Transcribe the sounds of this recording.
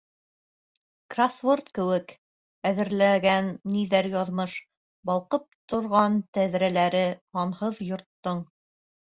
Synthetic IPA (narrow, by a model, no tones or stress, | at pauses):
krasvort̪kɘ̆wɘk | æðɘ̆ɾlæɡænːiðæɾjɑðmɤʃ | bɑlˠqɤp̚t̪ŏɾʁɑnt̪æðɾælæɾɘhɑnhɤðjŏɾt̪ːɤɴ